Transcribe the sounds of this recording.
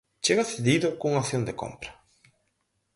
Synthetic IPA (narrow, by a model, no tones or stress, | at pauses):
t͡ʃeɣaseðiðʊkuŋaθjond̪eko̰mpɾa